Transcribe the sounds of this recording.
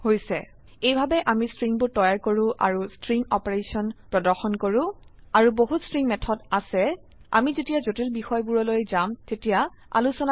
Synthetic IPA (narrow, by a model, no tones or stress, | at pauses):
hojsɛ̰ | ejbʱabɛʔamistɹiŋbʊɹtɔjaɹkoɹʊ̃ʔa̰ɹustɹiŋɔpeɹesɔnpɹɔdɔɹxɔnkoɹʊ̃aɹuboɦutstɹiŋmɛtʰɔdasɛ | a̰mizetijazotilbixɔjbuɹɔlojzamtetija | a̰lusɔna